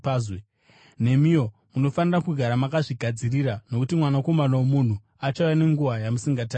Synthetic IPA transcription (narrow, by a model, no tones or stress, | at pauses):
azwe | ne̞mijo̞ | muno̞fanirakuɡʱaɾamakaʐiɡʱad͡ziriɾano̞kutimwanako̞manawomun̤u | at͡ʃaujane̞ŋɡuʋajamusiŋɡataː